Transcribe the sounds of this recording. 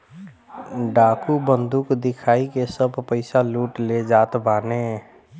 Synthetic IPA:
ɖaːkubənd̪ʱukd̪ɪkʰaːikesəbʱpəɪsaluʈled͡ʒaːt̪baːne

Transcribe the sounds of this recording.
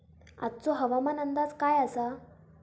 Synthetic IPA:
a̰t̪̚t͡soɦəʋamanənd̪ad͡zkajasa

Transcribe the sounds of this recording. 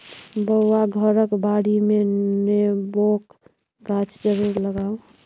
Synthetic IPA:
bəaɡʱəɾəkbaɽimenebok | ɡat͡ʃd͡ʒəɾuɾləɡaũ

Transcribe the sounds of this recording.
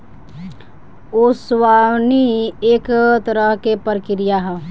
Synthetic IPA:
oswawniekt̪əɾəɦkepəɾkɪɾijaɦɛ

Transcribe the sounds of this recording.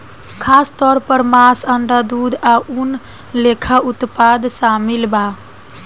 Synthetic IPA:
kʰast̪ɔɾpəɾmasəɳɖad̪ud̪ʱaun | lekʰaut̪pad̪samilba

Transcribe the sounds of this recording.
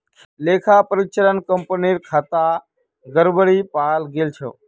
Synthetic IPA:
leːkʰaːpəɾɪt͡ʃəɾənkəmpəniɾkʰaːt̪a | ɡəɾbəɽiːpaːlɡeːlt͡ʃʰo̰ː

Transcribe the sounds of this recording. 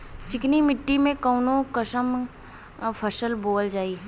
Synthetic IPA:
t͡ʃɪknimɪʈːimẽkəʊnokəʃəm | pʰɐʃəlboːld͡ʒaːiː

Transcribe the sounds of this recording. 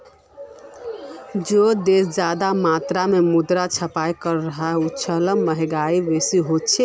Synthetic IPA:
d͡ʒod̪esd͡ʒad̪amat̪ɾamemud̪ɾat͡ʃʰəpajkəɾːəɦaut͡ʃʰələmːəɦɛɡaibesiɦot̪t͡ʃʰe

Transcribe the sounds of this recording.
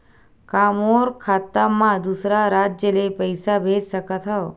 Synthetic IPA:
kaːmoːɾkʰaːt̪ːamãd̪usɾaɾaːd͡ʒjəlepəjsabʱeːd͡ʒsəkət̪ɦo

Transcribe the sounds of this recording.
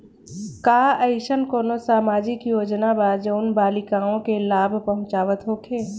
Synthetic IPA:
kaːəɪʃənkoːnosaːmaːd͡ʒɪkjoːd͡ʒnabaːd͡ʒoːnbaːlɪkaːõkelaːbʱpəɦʊ̃t͡ʃaːʋət̪ɦoːkʰeː

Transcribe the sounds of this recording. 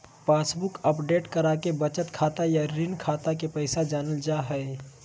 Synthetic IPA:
paːsbʊkəpɖeːʈkɐɾaːkebɐt͡ʃət̪kʰaːt̪ajaɾɪnkʰaːt̪akepɛɪsad͡ʒaːnəld͡ʒaːɦɛ

